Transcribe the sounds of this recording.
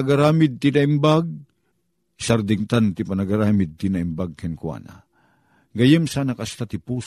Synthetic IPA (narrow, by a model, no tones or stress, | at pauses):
aɡaɾaːmɪd̪̚t̪ɪnaɪmbaɡ̚ | saɾd̪ɪŋt̪ant̪ɪpanaɡaɾaːmɪd̪̚t̪ɪnaɪmbaɡ̚kɛnkwa̰ːna̰ | ɡajɛmsaːnakast̪at̪ɪpus